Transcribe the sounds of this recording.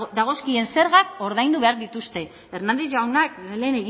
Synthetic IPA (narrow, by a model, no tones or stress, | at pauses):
d̪aɣ̞o̞skie̞nse̞ɾɣako̞ɾðajnd̪uβe̞aɾðit̪ust̪e̞ | eɾnand̪eʝawnakle̞ːne̞ɣi